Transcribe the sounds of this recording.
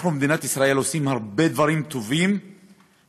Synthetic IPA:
χumed̪inat̪isʁae̞losimhaʁbe̞d̪vaʁimt̪o̞vim

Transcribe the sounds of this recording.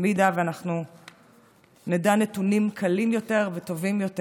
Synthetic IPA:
midaveanaχnu | nedanetunimkʰalimjo̞te̞ʁveto̞vimjo̞te

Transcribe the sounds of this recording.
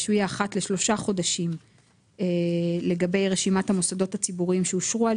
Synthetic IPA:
ʃujaːχatle̞ʃlo̞ʃaχo̞daʃim | ele̞ɡabe̞jʁeʃimathamo̞sado̞tat͡sibuʁiimʃeuʃʁua

